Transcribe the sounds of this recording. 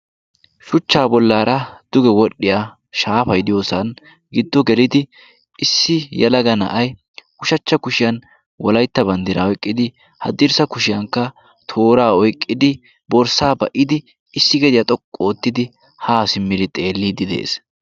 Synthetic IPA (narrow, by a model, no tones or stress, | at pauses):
ʃʊt͡ʃːaːbɔlːaːɾɐd̪̥ʊɡɛwɔɗːɪja | ʃaːfɐjd̪ɪjoːsɐn | ɡɪd̪ːɔɡɛlɪd̪ɪ | ɪsːɪjɐlɐɡɐnɐ̰ʔɐj | kʊʃɐt͡ʃːɐkʊʃɪjɐn | wɔlɐjt̪ːɐbɐnd̪ɪɾɐɔjkʼːɪd̪ɪ | hɐd̪ɪɾsɐkʊʃɪjɐŋkːɐ | t̪ʰo̞ːɾaːɔjkʼːɪd̪ɪ | bɔɾsaːbɐʔɪd̪ɪ | ɪsːɪɡɛd̪ɪjɐt̪ʼɔkʼːo̞ːt̪ːɪd̪ɪ | haːsɪmːɪɾɪt̪ʼe̞ːlːid̪ɪd̪e̞̰ːs